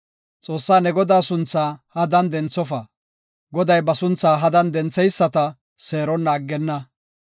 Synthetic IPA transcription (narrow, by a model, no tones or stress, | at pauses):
t͡sʼo̞ːsːaːnɛɡɔd̪aːsʊnt͡sːaːhɐd̪ɐnd̪ɛnt͡sːɔfɐ | ɡɔd̪ɐjbɐsʊnt͡sːaːɦɐd̪ɐnd̪ɛnt͡sːɛjsːɐt̪ɐ | seːɾɔnːaːɡːɛnːɐ